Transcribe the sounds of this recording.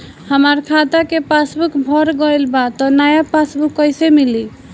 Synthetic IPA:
həməɾkʰat̪akepasbukbʱɔɾɡəjlbat̪ɔnajapasbukːəjsemili

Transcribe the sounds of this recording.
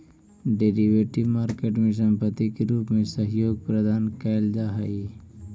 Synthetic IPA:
ɖeɾiʋeːʈiʋmaːɾkeːʈmẽs̬ɐ̃mpət̪ːikeɾuːpmẽsɐɦjoːɡ̚pɾɐd̪ʱaːnkald͡ʒaːɦɐi

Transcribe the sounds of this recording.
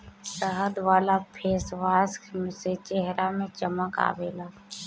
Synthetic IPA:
səɦəd̪ʋaːlapʰeːsʋaːskmset͡ʃeɦɾamẽt͡ʃəməka̰ːbeːlaː

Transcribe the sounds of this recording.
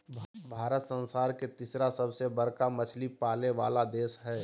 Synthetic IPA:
bʱbʱaːɾət̪sə̃nsaːɾket̪isɾasəbsebəɾkamɐt͡ʃʰlipaːleʋa̰ːlad̪eːsɦɛː

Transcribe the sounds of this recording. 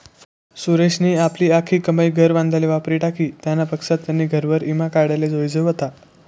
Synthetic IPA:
suɾeɕniːapliːakʰiːkəməjɡʱəɾʋãnd̪ʱaleʋapɾiːʈakʰiːt̪janːapəksat̪ːjanːiːɡʱəɾʋəɾimakaɽaled͡zojd͡zəʋət̪a

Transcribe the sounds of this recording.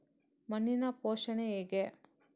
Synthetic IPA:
mɐnːinɐpoːʃɐneeːɡe

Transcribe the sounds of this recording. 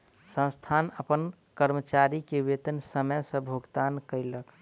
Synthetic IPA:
sə̃st̪ʰanəpən | kəɾmət͡ʃaɾikeʋet̪ənsəməjsə̃bʱoɡt̪ankəɪlək

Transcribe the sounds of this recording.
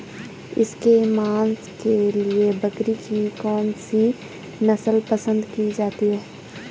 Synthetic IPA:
ɪ̰skemaːnskeliebɐkɾikikɔːnsi | nɐsəlpəsə̃nd̪kid͡ʒaːt̪iɦɛː

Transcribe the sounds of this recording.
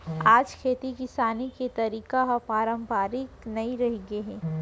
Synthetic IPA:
aːd͡ʒkʰeːt̪ikɪsaːniket̪ɐɾiːkaɦɐpaːɾə̃mpaːɾɪknɐĩɾɐɦeɡeɦɛː

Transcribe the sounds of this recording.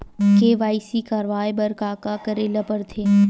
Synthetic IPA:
keːʋaːisikaːɾʋaːjbɐɾkaːkakəɾeːlɐpəɾt̪ʰeː

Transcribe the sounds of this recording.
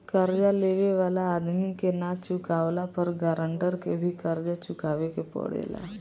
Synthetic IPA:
kəɾd͡ʒaleʋeʋalaːd̪mikenat͡ɕukaʋlapəɾɡəɾəɳʈəɾkebʱiːkəɾd͡ʒat͡ɕukaʋekepɔ̰ɽḛla̰

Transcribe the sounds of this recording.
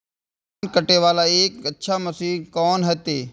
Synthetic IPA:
nkəʈeʋaːlaeːkətːʃʰaməsiːkɔːnɦɐt̪eː

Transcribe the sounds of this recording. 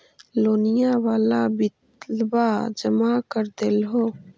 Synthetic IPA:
loːnɪjawaːlabɪt̪ | lbaːd͡ʒəmaːkəɾd̪elɦoː

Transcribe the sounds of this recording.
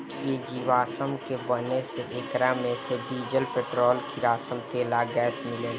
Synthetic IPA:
kied͡ʒiːʋaːsəmkebəneseʔeːkɾamẽseɖiːd͡ʒəlpeːʈɾoːlkʰiɾaːsəmt̪eːlaɡɛːsmɪleː

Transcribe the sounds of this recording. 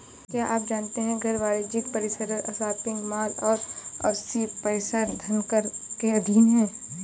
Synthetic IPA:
kjaːʔaːp̚d͡ʒaːnt̪eɦɛ̃ɡʱɐɾʋaːɾɪd͡ʒɪk̚pɐɾɪsəɾəɾɐsaːt̪ɪ̃ŋɡmaːlɔːɾɔ̰ɾsiːpɐɪsaɾd̪ʱɐnkəɾkeɐd̪ʱiːnɦɛ̃ː

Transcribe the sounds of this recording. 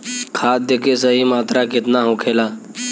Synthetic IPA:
kʰaːt̪̚d̪ekʰeːsəɦiːmaːt̪ɾaːkɪt̪naːɦõːkʰeːlaː

